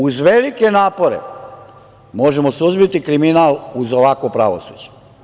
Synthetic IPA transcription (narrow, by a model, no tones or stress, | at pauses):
uzʋelike̞naːpo̞ɾḛ | mo̞ʒemosuzbit̪ikɾiminaːluzoʋakopɾa̰ʋo̰sṵd͡ʒe̥